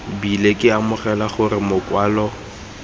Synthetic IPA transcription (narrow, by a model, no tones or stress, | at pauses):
bilekʼɪamʊχɛlaχʊrɪmʊkʼwaːlɔ